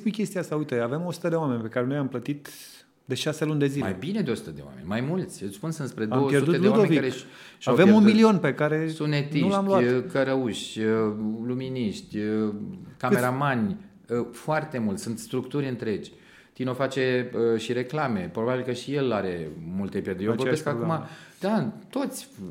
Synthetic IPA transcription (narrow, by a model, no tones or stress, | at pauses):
pujkʲest̪iaast̪aujt̪eave̞mo̞su̥t̪əd̪ewame̞nʲpe̞kaɾe̞nojamplət̪it̪ | d̪e̞ʃase̞lunʲd̪e̞zilmaejbined̪eosu̥t̪əd̪e̞wa̰me̞̰nʲmajmult̪sʲspunsɨnspɾe̞d̪aomopjerut̪eleuad̪oevikaɾe | ʃavemunmilio̞npe̞kaɾe̞sunnet̪inulamlwakəɾəuʃ | luminiʃt̪ʲ | kameɾamanʲ | foart̪e̞mult̪ʲsunt̪st̪ɾukt̪uɾʲɨnt̪ɾe̞d͡ʒʲ | t̪ino̞fat͡ʃe̞əʃiɾe̞klame̞pɾobabilkəʃije̞laɾe̞mult̪e̞pʲjerd̪ejovorbeskakumad̪̥at̪o̞t̪sʲ